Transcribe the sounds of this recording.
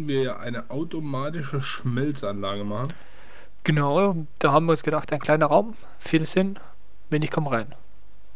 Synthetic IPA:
n̩viːɐjaːʔaɪnəʔaʊtomaːtɪʃəʃmɛlt͡sʔanlaːɡəmaχn̩ | ɡ̥ənaʊ | d̥aːɦaːbm̩viːɐʊnsɡ̥ədaχtaɪnklaɪnɐʁaʊm | fiːləsɪn | vɪːnɪçkʰɔməʁaɪn

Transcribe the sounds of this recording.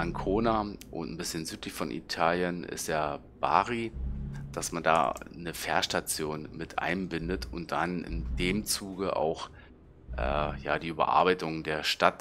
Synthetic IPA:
ʔankʰoːnaʔʊ̰ntn̩bɪsçənzyːtlɪçfɔnʔḭtʰaːljənɪ̰stjaː | b̥a̰ːʁid̥asmanda̰ːnəfɛɐʃtat͡sjoːnmɪtʔa̰ɪnbɪndətʰʊnt̚d̥anɪ̰ndeːmt͡suːɡəʔa̰ʊx | ʔɛ̰ːja̰ːdiːʔyːbɐ̰ʔa̰ːɐbaɪtʊŋdeːɐʃtat

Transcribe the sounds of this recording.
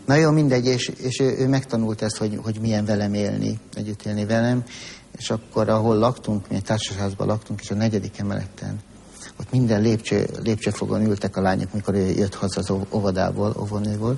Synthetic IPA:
nɒjoːmind̪ɛɟːeːʃeːʃøːʔøːmɛkt̪ɒnult̪ɛst̪ho̞ɟho̞ɟmijɛɱvɛlɛmeːlnḭɛ̰ɟːyt̪ʰeːlnivɛlɛm | eːʃɒkːo̞ɾɒɦolːɒkt̪uŋkmiɛc̚t̪aːrʃɒɦaːzbɒ̰lʔɒkt̪uŋkeːʃɒnɛɟɛd̪ikɛmɛ̰lʔɛ̰t̪ːɛ̰n | ot̪mind̪ɛnleːpt͡ʃø̰ːleːpt͡ʃøːfoɡo̰nylt̪ɛkɒlaːɲʔo̰kmiko̞ɾøːjʔøt̪hɒzɒzoovɒd̪a̰ːbo̰ːlo̰vonøːboːl

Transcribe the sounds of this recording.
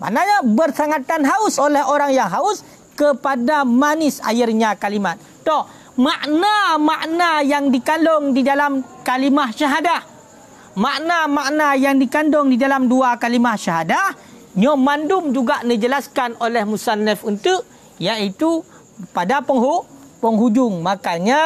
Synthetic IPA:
ma̰ʔnaɲabərsaŋat̪anɦaʊsolɛhoɾaŋjaŋɦaʊs | kəpadamanɪsa̰jirɲakalimat̪̚ | t̪ːɔh | maʔnamaʔnajaŋdikandɔŋdidalam | kalimahʃaɦadah | maʔnamaʔnajaŋdikandɔŋdidalamduakalimahʃaɦada | ɲɔmandʊmd͡ʒuɡaʔnəd͡ʒəlaskanolɛhmusanɛfunt̪ʊʔ | jaʔit̪u | padapəŋɦuʔ | pəŋɦud͡ʒʊŋmakaɲa

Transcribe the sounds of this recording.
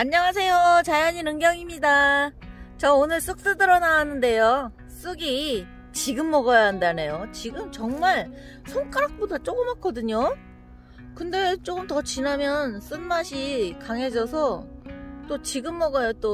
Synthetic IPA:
maɲːʌŋas̬ʰe̞jot͡ɕajaɲinɯŋɡjʌŋimɲida | t͡ɕʌonɯɭs͈uk̚s͈ɯdɯɾʌnawanːɯnde̞jo | s͈uɡi | t͡ɕiɡɯmːʌɡʌjaɦandane̞jot͡ɕiɡɯmt͡ɕʌŋmaɭ | sʰoŋk͈ʰaɾak̚p͈odat͡ɕ͈oɡɯmak͈ʰʌdɯɲo | kɯnde̞t͡ɕ͈oɡɯmtʌt͡ɕinamjʌns͈ɯnmaɕʰikaŋɦe̞d͡ʑʌsʰʌ | t͈ot͡ɕiɡɯmːʌɡʌjot͈o

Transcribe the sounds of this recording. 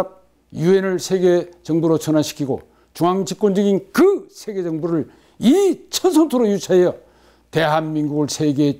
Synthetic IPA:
k̚ | jue̞nɯɭsʰeɡet͡ɕʌŋbuɾot͡ɕʰʌnaɕʰi̥kʰiɡo̰ | t͡ɕuŋaŋd͡ʑik͈wond͡ʑɯɡinkɯsʰe̞ɡe̞d͡ʑʌŋbuɾɯɭ | it͡ɕʰʌnsʰʌŋtʰoɾojut͡ɕʰaejʌ | teɦanminɡuɡɯɭsʰe̞ɡe̞

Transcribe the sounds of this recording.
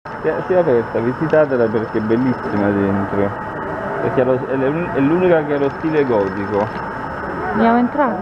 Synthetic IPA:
siasiapɛrt̪avizit̪aːt̪elaperk̟eɛbːelːisːimad̪ent̪ɾo | pḛɾkeɛloɛuɛlːuːnikakealost̪iːleɡɔːt̪iko | bjaːmoent̪ɾaː

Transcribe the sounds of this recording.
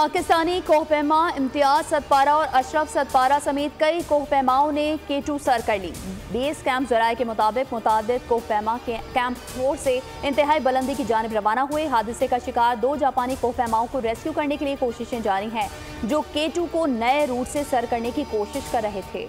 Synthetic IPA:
paːkɪst̪aːnikɔːɦpɛːmaɪ̃mt̪ɪjaːzsɐt̪̚paːɾaɔːɾʔɐʃɾəfsɐt̪paːɾasɐmeːt̪̚kɐikoːɦpɛːmaːõnekeːʈusɐɾkɐɾlḭːbeːskɛ̃ːmpzɐɾaːekemʊt̪aːbɪqmʊt̪aːd̪ɪt̪̚koːɦpɛːmakɛ̃ːmpfʰoːɾse | ɪ̃nt̪ɪɦaːibɐlə̃nd̪ikid͡ʒaːnɪbɾɐʋaːnaɦueɦaːd̪ɪsekaʃɪkaːɾd̪oːd͡ʒaːpaːnikoːɦpɛːmaːõkoɾeːskjukɐɾnekeliekoːʃɪʃẽd͡ʒaːɾiɦɛ̃ː | d͡ʒoːkeːʈukonɐeɾuːʈsesɐɾkɐɾnekikoːʃɪʃkɐɾːɐɦet̪ʰḛː

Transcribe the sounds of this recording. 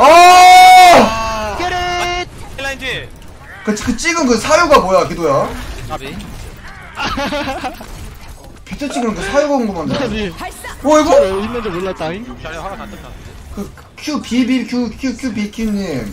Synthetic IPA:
a | kɾ̚ | k͈at͡ɕʰikɯt͡ɕ͈iɡɯnkɯsʰajuɡamojakidoja | pet͡ɕʰat͡ɕ͈iɡɯnɯnkɯsʰajuɡaɯnɡʌmand͡ʑa | wʌiɡʌimʌnd͡ʑooʎːat͈a | kɯ | kʰjupibikʰjukʰjukʰjubikʰuɲim

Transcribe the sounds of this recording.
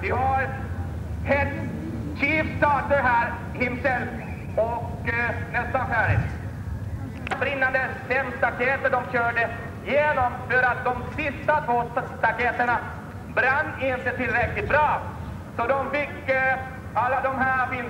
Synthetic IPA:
vɪhaɾ | hɛt̪ | ɕiːfst̪ɑːʈəɾɦæːɾ | hɪmsɛl | ɔk | nɛst̪afæɾ | bɾɪnːand̪ə | fɛmst̪akʰeːt̪əɖɔmɕœːɖə | jeːnɔmfœɾat̪̚d̪ɔmsɪst̪at̪ʰvoːst̪akʰeːt̪əɳa | bɾanːɪnt̪ət̪ʰɪlːɾɛklɪt̪̚bɾɑː | sɔd̪ɔmfɪkː | alːad̪ɔmɦæːfɪn

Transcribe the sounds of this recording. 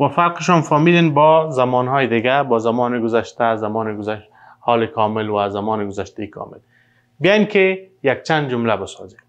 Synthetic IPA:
wafaɾqɪʃɔnfɔmilenbɔzamɔnɦɔjɪd̪ɪɡabɔzamɔnɪɡʊzaʃt̪azamɔnɪɡʊzaʃ | hɔːlɪkɔmɪlwazamɔnɪɡʊzaʃt̪aikʰɔ̰mɪl | bɪjajnkɪjak̚t͡ʃand̪d͡ʒʊmlabɪsɔ̰zem

